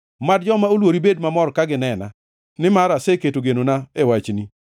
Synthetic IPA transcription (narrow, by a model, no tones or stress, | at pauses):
madd͡ʒɔmaolwoɾibed̚mamɔɾkaɡɪnɛna̰ | nɪmaɾaseketoɡenonaewat͡ʃni